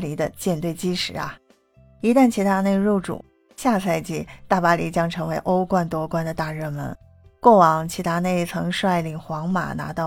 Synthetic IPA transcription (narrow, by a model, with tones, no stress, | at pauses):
li˧˥d̪ə˧t͡ɕjɛ˥˧nt̪we˥˩ɪt͡ɕi˥ʂɻ̩˨˧˥ɐ̰˧ | i˧˥t̪a˥˩nt͡ɕʰi˧˥t̪ʰa˥ne˥˧ɪɻu˥˩ʊʈ͡ʂṵ˨˩˦ | ɕja˥˧sʰa˥˧ɪt͡ɕi˥˩t̪a˥˩pa˥li˧˥t͡ɕjɑ˥ŋʈ͡ʂʰɤ˧˥ŋwe˧˥ɪʔo˥ʊkwa˥˩nt̪wɔ˥kwa˥nd̪ə˨t̪a˥˧ɻɤ˥˩mə̰˧˥n | kwɔ˥˩wɑ˨˩ŋt͡ɕʰi˧˥t̪ʰa˥ne˥˩ɪt͡sʰɤ˧˥ŋʂwa˥˩ɪli˨˩ŋxwɑ˧˥ŋma̰˨˩na̰˧˥t̪ɑ˥˩